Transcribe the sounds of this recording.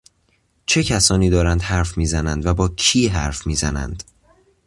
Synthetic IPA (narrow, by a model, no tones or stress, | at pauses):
t͡ʃʰe̞cʰæsɒːniːd̪ɒːɾænd̪hæɾfmiːzænænd̪væbɒːcʰiːɦæɾfmiːzænæ̰nd̪̥